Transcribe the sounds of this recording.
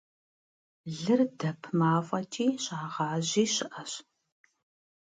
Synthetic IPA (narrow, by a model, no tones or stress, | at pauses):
ɮɨrdɐpʰmaːfʷʼɐtʰiːɕʼaːʁɑːʑiːɕɪʔɐɕ